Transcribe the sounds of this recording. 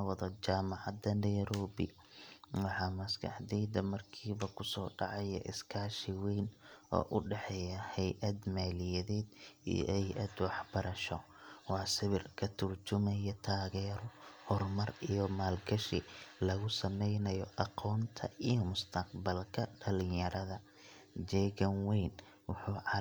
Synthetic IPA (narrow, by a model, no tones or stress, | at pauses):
wɐðɔt͡ʃaːmɑʕɑd̪ɐnɛjɾɔːbɪ̰ | wɑħɑmɐskʰɐ̰ħd̪ɛjd̪ɐmɐrkʰiːβɐkʰʊsɔːɖɑʕɑjɛ̰ʔɪskʰaːʃɪwɛjnʔɔ̰ːʔʊɖɛħɛjɐhɛjʔɐd̪maːlɪjɐðɛːd̪ḭj̰hɛjʔɐd̪wɑħb̥ɐɾɐʃɔ | wɑːsɪβɪrkʰɐt̪ʰʊrt͡ʃʊmɐjɐt̪ʰaːɣɛːɾɔhɔrmɐrijɔmaːlɡɐʃɪlɐɣʊsɐmɛjnɐjɔʔɑqʰɔːnt̪ʰɐijɔmʊst̪ʰɐqbɐlkʰɐɖɐlɪjjɐɾɐðɐ | d͡ʒɛːɣɐŋwɛjn | wʊħʊː